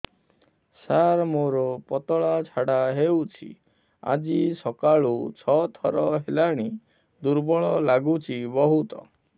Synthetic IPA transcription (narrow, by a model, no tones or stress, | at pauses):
saɾmoɾɔpɔt̪ɔɭat͡ʃʰaɽaɦewt͡ʃʰḭ | a̰d͡ʒisɔkaɭut͡ʃʰɔt̪ʰɔɾɔɦelaɽ̃i | d̪uɾbɔɭɔlaɡut͡ʃʰibɔɦut̪ɔ̰